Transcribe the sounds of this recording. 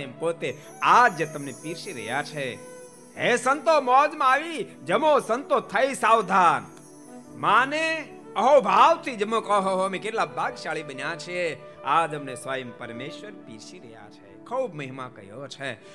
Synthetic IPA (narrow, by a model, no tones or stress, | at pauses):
jəmpot̪e | ad͡ʒd͡ʒet̪əmnepiɾʃiɾə̰ɦja̰t͡ʃʰe | esənt̪omɔːd͡ʒmãaʋi | d͡ʒəmosənt̪ot̪ʰəisaːwd̪ʱaːn | maːne | əɦobʱaʋt̪ʰid͡ʒəmõkəɦoɦomẽkeʈlabʱaːɡʃaːɭibənjat͡ʃʰie | ad͡ʒəmnesʋaːjəmpəɾmeʃʋəɾpiɾʃiɾəɦja̰t͡ʃʰḛkʰəwbməɦimãkə̰jot͡ʃʰe